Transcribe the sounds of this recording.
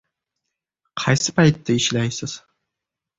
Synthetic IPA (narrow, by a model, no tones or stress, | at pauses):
qʰɑjsɪ̥pʰajt̪ʰːaɪʃlajsɪz̥